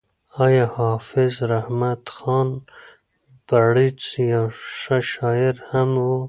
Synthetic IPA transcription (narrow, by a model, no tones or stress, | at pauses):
ɑjɑhɑːfizɾahmat̪xɑːn | b̥aɽit͡sjaʂaʃɑːiɾhamu